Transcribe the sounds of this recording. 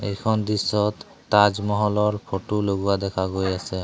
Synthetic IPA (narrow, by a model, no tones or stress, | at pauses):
ḛjkʰɔnd̪isɔt̪ː | ad͡ʒmɔɦɔlɔɹpʰoʈuloɡuad̪ɛkʰaɡojasɛ